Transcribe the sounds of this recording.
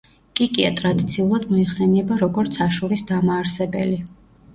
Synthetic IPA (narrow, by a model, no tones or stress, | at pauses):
kʼikʼia̰t̪ʼɾad̪it̪sʰiulˠad̪mɔiχsɛniɛbaɾɔɡɔɾt̪sʰaʃuɾisd̪amaːɾsɛbɛ̰li